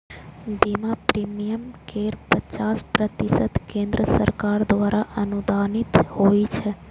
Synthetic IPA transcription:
bimapɾimijəmkeɾpət͡ʃaspɾət̪isəd̪kẽnd̪ɾəsə̰ɾkaɾd̪ʋaɾaʔənud̪ʱanit̪hoit͡ʃʰe

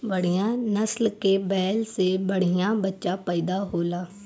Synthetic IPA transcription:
bɐɽ̤ijãnɐslkebɛːlsebɐɽ̤ijãbɐtːʃapɛːd̪aɦoːlaː

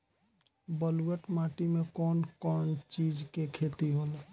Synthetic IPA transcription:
bəluwəʈmaʈimẽkɔːnkɔːnt͡ʃid͡ʒkekʰet̪iɦol

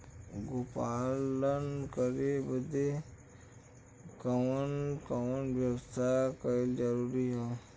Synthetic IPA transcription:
ɡopalənkəɾebəd̪ʱːe | kəʋənkəʋənʋjəwst̪ʰakəeld͡ʒəɾuɾiɦã

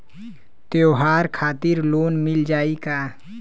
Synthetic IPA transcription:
t̪eoɦaːɾkʰaːt̪ɪɾloːnmɪld͡ʒaːikaː

